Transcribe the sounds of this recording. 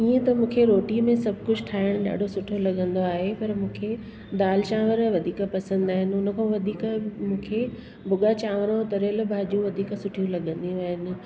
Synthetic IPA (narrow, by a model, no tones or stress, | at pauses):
iːə̃t̪ɐmũːkʰeɾoːʈimẽsɐbʱkʊd͡ʑʱʈʰaːɪɽ̃ɗa̰ːɖʱosʊʈʰolɐɠə̃nd̪oaːɦepɐɾmũːkʰe | d̪aːlt͡ɕãːʋəɾʋɐd̪ʱiːkəpɐsə̃nd̪aːɦɪnɪ̆ʊnə̆kʰõʋɐd̪ʱiːkmũːkʰe | bʊɠat͡ɕãːʋəɾə̃t̪ɐɾəl̆bʱaːd͡ʑjũʋɐd̪ʱiːksʊʈʰijũlɐɠə̃nd̪ĩʋaːɦɪnɪ̆